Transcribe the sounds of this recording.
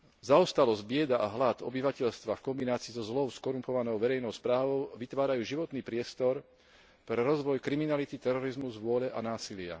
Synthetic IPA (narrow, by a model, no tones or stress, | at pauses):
zaɔst̪alɔzbɪɛd̪aʔaɦlad̪ɔ̰biʋacɛʎst̪ʋafkɔmbinaːt͡siːzɔzlɔʊskɔɾumpɔʋanɔʊʋɛɾɛjnɔʊspɾaːʋɔʊʋit̪ʋaːɾajuːʒiʋɔt̪niːpɾɪɛst̪ɔɾ | pɾɛɾɔzʋɔjkɾiminalit̪it̪ɛɾɔɾizmuzʋʊɔʎɛʔanaːsilɪa̰